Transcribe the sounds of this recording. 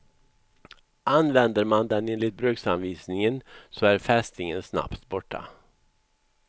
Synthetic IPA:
anvɛnd̪əɾmand̪ɛneːnlɪt̪̚bɾøːksanviːsnɪŋənsɔæɾfɛst̪nɪŋənsna̰pt̪bɔʈːa̰

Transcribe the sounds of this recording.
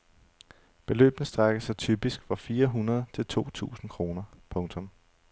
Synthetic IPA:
b̥e̝lø̰ːb̥nəsd̥ʁaɡ̥əsɑt͡sʰyːb̥isɡ̥fɑ̈fiːɐɦunɐð̞ˠt͡sʰe̝lt͡sʰo̝̰ːt͡sʰṵːsn̩kʰʁo̝ːnɐpʰɔ̽ŋt͡sʰɔ̽m

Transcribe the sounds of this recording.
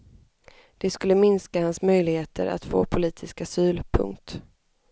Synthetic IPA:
d̪̥ɛskɵlːəmɪnskahansmœjlɪheːt̪ʰə̰ɾʔa̰t̪fo̰ːpʰʊliːt̪ʰɪskasyːlpʰɵ̰ŋkt̪

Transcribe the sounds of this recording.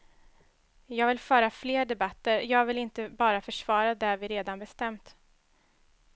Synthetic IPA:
jɑːɡvɪlfœːɾafleːɖɛbat̪ːəɾjɑːɡvɪlɪnt̪əbɑːɾafœʂvɑːɾad̪ævɪɾeːd̪anbɛst̪ɛmt̪

